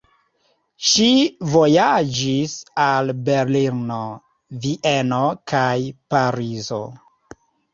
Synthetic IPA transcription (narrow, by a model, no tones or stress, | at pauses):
ʃivo̞jad͡ʒisalbe̞ɾliɾno | viʔeno̞kajpaɾizo̞̰